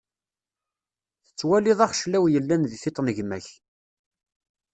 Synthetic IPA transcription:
θə̥t͡sːwælɪðˤɑχʃlæwjəlːænðiθɪt̪ˤnəʝmæç

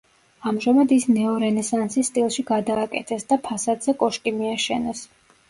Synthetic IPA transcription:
amʒamad̪isnɛɔɾɛnɛsansisːt̪ʼilˠʃiɡad̪aːkʼɛ̰t̪ʰɛsd̪apʰasad̪zɛkʼɔʃkʼimiaʃɛnɛs

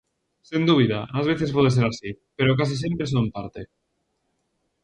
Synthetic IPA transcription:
send̪uβ̞iðaʔazβ̞eθespoð̞es̬eɾasi | peɾokas̬is̬jempɾe̞s̬omp̪aɾt̪e

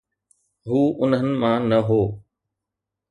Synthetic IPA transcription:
ɦuːʊnɦənɪ̆mãːnɐɦoː

